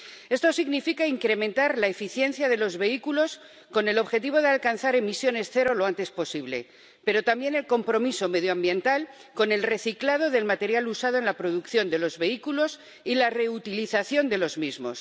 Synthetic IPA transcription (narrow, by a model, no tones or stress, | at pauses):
e̞st̪o̞siɣnifikaiŋkɾe̞mẽnt̪aɾlaefiθje̞nθjaðe̞lo̞zβe̞ikulo̞s | ko̞ne̞lo̞βxe̞t̪̬iβ̞o̞ðealkanθaɾe̞misjo̞ne̞sθe̞ɾo̞lo̞ant̪e̞spo̞siβle̞̰ | pe̞ɾo̞t̪ambje̞ne̞lko̞mpɾo̞miso̞me̞ðjoambje̞nt̪al | ko̞ne̞lre̞θiklað̞o̞ðe̞lmat̪e̞ɾjalusað̞oe̞nlapɾo̞ðukθjo̞nd̪elo̞zβe̞ikulo̞s | ilare̞ut̪iliθaθjo̞nd̪e̞lo̞zmizmo̞̰s